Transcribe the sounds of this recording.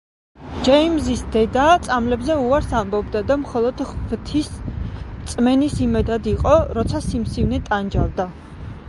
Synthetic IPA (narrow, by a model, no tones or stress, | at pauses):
d͡ʒɛimzisd̪ɛd̪at̪sʼamlɛbzɛuaɾsambɔbd̪ad̪amχɔlˠɔd̪vt̪ʰis | t̪sʼmɛnisimɛd̪ad̪iqʼɔɾɔt̪sʰasimsivnɛt̪ʼand͡ʒavd̪a